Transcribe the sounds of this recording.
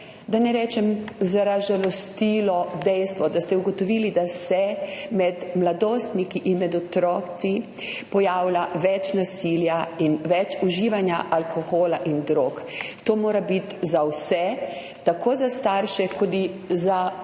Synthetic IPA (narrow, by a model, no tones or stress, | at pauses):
d̪anɛɾɛːt͡ʃɛmzaɾaʒalɔst̪iːlɔd̪ɛjst̪ʋɔd̪ast̪ɛuɡɔt̪ɔʋiːlid̪asɛmɛd̪mlad̪oːst̪nikiʔinmɛd̪ɔt̪ɾɔːsi | pɔjaːwlaʋɛt͡ʃnasiːljainʋɛt͡ʃuʒiːʋanjaʔalkʰɔxoːlaʔind̪ɾoːkt̪oːmoːɾabit̪zawsɛ | t̪akoːzast̪aɾʃɛkɔd̪iza